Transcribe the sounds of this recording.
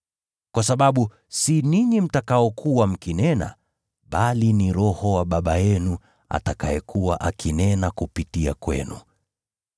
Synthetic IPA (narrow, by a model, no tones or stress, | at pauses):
kwasaɓaɓu | siniɲim̩takaɔkʰuwam̩kinɛna̰ | ɓaliniɾɔhɔwaɓaɓajɛnu | a̰takajɛkʰuwaʔakʰinɛnakupitia̰kwɛ̰nṵ